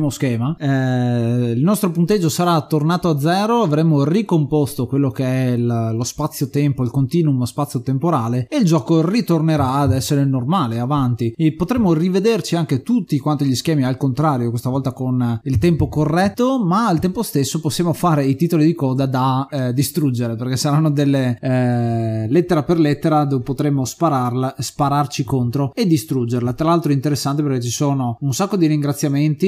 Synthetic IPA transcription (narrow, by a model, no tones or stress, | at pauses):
moskɛːma | ilnɔst̪ɾopunt̪ed͡ʒːosaɾat̪ːornaːt̪oad̪zːɛːɾoavɾemːorikompɔst̪okwelːokeɛllospat̪sːjot̪ɛmpoilkont̪iːnumspat̪sjot̪empoɾaːleːild͡ʒɔːkorit̪orneɾaːd̪ɛsːeɾenormaːleavant̪ipot̪ɾemːorived̪ert͡ʃiaŋk̟et̪ut̪ːikwant̪oʎiskɛːmialkont̪ɾaːɾjokwest̪avɔlt̪akonilt̪ɛmpokorːɛt̪ːomaːlt̪ɛmpost̪esːoposːjaːmofaːɾeit̪it̪olid̪ikɔːd̪ad̪ad̪ist̪ɾud͡ʒːeɾepeɾrkesaɾanːod̪elːe | let̪ːeɾaperlet̪ːeɾad̪ovpot̪ɾemːospaɾarlaspaɾart͡ʃikont̪ɾoed̪ːist̪ɾud͡ʒːerlat̪ɾalalt̪ɾoint̪eɾesːant̪epeɾk̟et͡ʃisoːnounsakːod̪iɾiŋɡɾat̪sːjament̪i